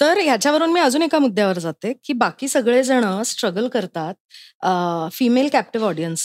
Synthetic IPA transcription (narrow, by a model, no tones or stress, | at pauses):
t̪əɾjat͡ɕjaʋəɾuːnmiːəd͡zuːnekamud̪ʱːjaʋəɾd͡zat̪ekiːbakiːsəɡɭed͡zəɽ̃əsʈɾəɡəlkəɾt̪at̪̚ | fimelkæp̚ʈiʋɔɽijəns